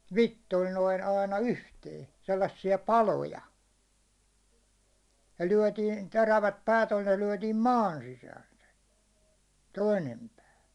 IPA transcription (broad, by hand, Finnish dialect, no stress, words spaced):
ʋitːol noin ɑinɑ yhteː selːɑsːiɑ pɑlojɑ jɑ lyæ̹tiːn teræʋæt pæːt olʲ ne lyæ̹tiːm mɑːn sisæːn̞ se toinem pæː